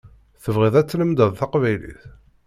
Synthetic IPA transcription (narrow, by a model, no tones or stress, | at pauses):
θəvʁiðˤæt͡sːləmd̪əðˤθɑqvæjlḭθ